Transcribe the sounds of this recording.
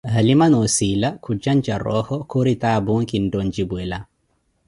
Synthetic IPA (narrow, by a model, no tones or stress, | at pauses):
halimanosilakʰud͡ʒand͡ʒaɾɔ̰hɔkoɾitaːbuŋkindond͡ʒibwɛla